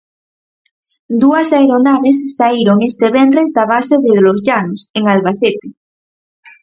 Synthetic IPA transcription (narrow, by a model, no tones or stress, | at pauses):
d̪uasaeɾonaβ̞esːaiɾoŋest̪eβ̞end̪ɾezdaβ̞aseðeðlozʎanoseŋalβaθet̪e